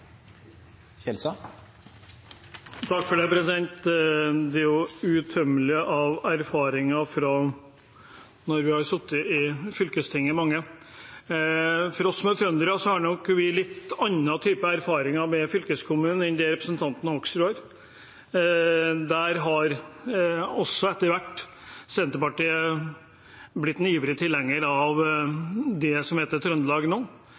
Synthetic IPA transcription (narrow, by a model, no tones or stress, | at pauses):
ɛlsɑ | t̪ʰɑkːfɔɖepɾɛsɪd̪ɛnt̪d̪ɛæɾjʊʉt̪ʰœmːəlɪʔɑʋæɾfɑːɾɪŋɑfɾɑ | nɔɾʋɪhɑɾsʊt̪ːəɪfʏlkəst̪ʰɪŋːəmɑŋːə | fɔɾɔsːmɛt̪ʰɾœnd̪əɾɑsɔhɑnɔkːʋɪlɪt̪ːɑnːɑt̪ʰyːpəæɾfɑːɾɪŋɑɾmɛfʏlkəskʰʊmʉːnn̩ɪnd̪ɛɾɛpɾəsnt̪ʰɑnt̪nəhɔksɾuːəɾ | d̪æɾɦɑɾ | ɔsːɔɛt̪ːəɾʋæʈː | sɛnt̪əɾpɑʈiːə | blɪt̪ːɛniːʋəɾət̪ʰɪlɛŋːəɾɑʋ | d̪ɛsɔmheːt̪ət̪ʰɾœnd̪əlɑːɡnoː